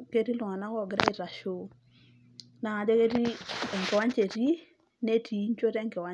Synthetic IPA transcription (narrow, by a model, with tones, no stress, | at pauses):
ke˦ɾi˦lu˨ŋa˨na˦kɔ˦˨ɡɪ˦ɾa̰˦i˦ɾa˨ʃo˦ | na˨ŋa˨de˦ke˦ti˦ɛ˨ŋkɛ˨wa˦ɲt͡ʃe˨ti˦ | ne˦ti˨˦ɲ˦t͡ʃo˦tɛ˦ŋkɛ˨wa˦